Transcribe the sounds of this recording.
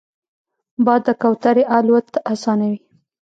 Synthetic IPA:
bɑd̪ːəkawt̪aɾeʔalwat̪asɑnawi

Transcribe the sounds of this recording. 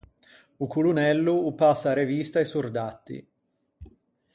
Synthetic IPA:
ukulunɛlːuːpasːaɾevist̪aisurd̪at̪ːḭ

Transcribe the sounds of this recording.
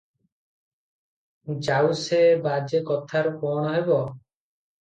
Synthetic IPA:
d͡ʒawsebad͡ʒekɔt̪ʰaɾɔkɔñɔɦebɔ

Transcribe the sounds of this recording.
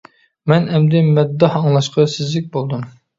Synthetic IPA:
mɛnɛmd̪ɛmɛd̪ːɑhɑŋlˠɑʃqɑsɪzlɪk̚ʲbolˠd̪um

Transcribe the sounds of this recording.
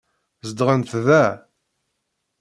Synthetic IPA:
zəd̪ʁənθðæ

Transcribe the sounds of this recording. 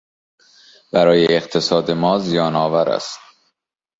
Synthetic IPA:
b̥æɾɒːjeːqt̪ʰe̞sɒːd̪e̞mɒːzijɒːnɒːvæɾæ̰st̪

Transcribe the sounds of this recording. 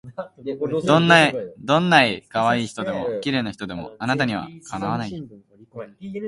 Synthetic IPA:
d̪õnːaid̪õ̞nːaikaβaiːçi̥t̪o̞d̪e̞mo̞̰kʲiɾe̞ːnaçi̥t̪o̞d̪e̞mo̞̰anat̪aɲ̟iβ̞a̰kʰanaβanai

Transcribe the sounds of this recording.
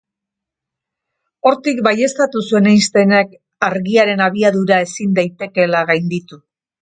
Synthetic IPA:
o̞ɾt̪ikbaje̞st̪at̪usue̞najst̪e̞nek | aɾɣiaɾe̞naβ̞iaðuɾae̞sind̪ajt̪e̞ke̞laɣajnd̪it̪u

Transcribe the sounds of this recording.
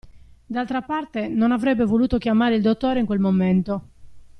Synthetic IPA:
d̪alt̪ɾapart̪enonavɾɛbːevoluːt̪okjamaːɾeild̪ot̪ːɔːɾeiŋkwelmoment̪o

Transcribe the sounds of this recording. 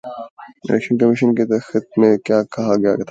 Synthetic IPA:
ɪ̰lɛ̰kʃənkɐmɪʃənket̪ɐxɪt̪̚mẽkjaːkɐɦaɡɐja̰kːt̪ʰː

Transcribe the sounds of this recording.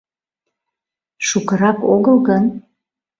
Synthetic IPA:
ʃukə̆ɾɑkoɣəlɣən

